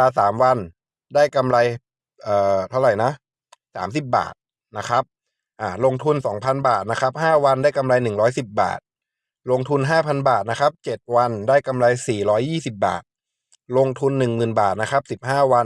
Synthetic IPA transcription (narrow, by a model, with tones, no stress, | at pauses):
aː˧saː˩˦mwa˧n | daː˥˩jka˧mla˧j | ʔɤː˨˩t̪ʰa˧˩wɾa˨˩jna˦˥ʔ | sa̰ː˩˦ms̬i˨˩p̬̚ba̰ː˨˩t̪̚ | na˦˥kʰɾa˦˥p̚ | ʔaː˧˩lo˧ŋt̪ʰu˧nsɔː˩˦ŋpʰa˧nbaː˨˩t̪̚na˦˥kʰa˦˥p̚ɦaː˥˩wa˧ndaː˥˩jka˧mla˧jnɯ˨˩ŋɾɔː˦˥jsi˨˩p̚ba̰ː˨˩t̪̚ | lo˧ŋt̪ʰu˧nɦaː˥˩pʰa˧nbaː˨˩t̪̚na˦˥kʰa˦˥p̚t͡ɕe˨˩t̪̚wa˧ndaː˥˩jka˧mla˧jsiː˨˩ɾɔː˦˥jːiː˥˩si˨˩p̚ba̰ː˨˩t̪̚ | lo˧ŋt̪ʰu˧nːɯ˨˩ŋmɯː˨˩nbaː˨˩t̪̚na˦˥kʰɾa˦˥p̚si˨˩p̚ɦaː˥˩wa˧n